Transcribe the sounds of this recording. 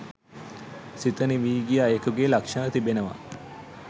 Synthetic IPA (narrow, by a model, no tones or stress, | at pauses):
sit̪əniʋiːɡiajekuɡelakʂat̪ibenəʋa̰